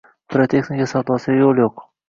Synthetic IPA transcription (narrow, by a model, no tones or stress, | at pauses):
pɾot̪ʰe̞xnɪkʲasawd̪ɒsɪjolˠjoq